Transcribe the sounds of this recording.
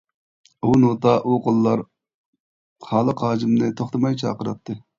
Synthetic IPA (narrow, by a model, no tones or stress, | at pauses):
unot̪ʰɑʔuqʰolˠːɑɾ | χɑːlˠəqɑːd͡ʒɪmnɨt̪ʰoχt̪ʰɨmɑjt͡ʃʰɑ̰ːqəɾɑt̚t̪ʰːɨ